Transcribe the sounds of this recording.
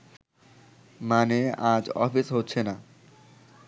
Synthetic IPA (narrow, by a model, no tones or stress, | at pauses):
manead͡ʑɔfisɦotːɕʰena